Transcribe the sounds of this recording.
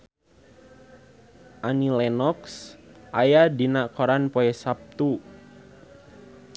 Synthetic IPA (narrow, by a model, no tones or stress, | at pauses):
ʔanilɛnɔksʔajadinakɔɾanpɔɛsap̚t̪u